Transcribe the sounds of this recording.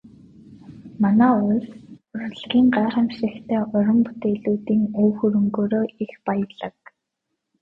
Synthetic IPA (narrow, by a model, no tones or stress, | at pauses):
manæːʊsʊrɮɣʲiːŋɢaːχæmʃĭːxt̪ʰeːʊɾɞ̆mput̪eːɮuːt̪iːŋoːxɵɾɵ̆ŋɡoːɾoːʔixpajə̆ɮə̆k̚